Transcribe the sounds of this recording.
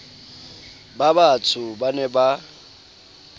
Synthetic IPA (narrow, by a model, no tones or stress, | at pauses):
babat͡sʰʊbanɛba